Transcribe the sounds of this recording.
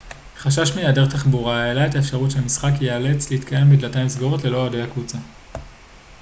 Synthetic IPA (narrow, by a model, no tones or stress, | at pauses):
χaʃaʃmejadeʁt̪aχbuʁaelaetaefʃaʁutʃemisχakjeale̞t͡slehitkaje̞mbidlatamisɡoʁotle̞lo̞adejakut͡sa